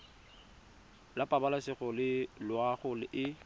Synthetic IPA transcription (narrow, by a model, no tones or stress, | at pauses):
lapʼabalasɪɣɔlɪlʊaχʊlɪʔɪ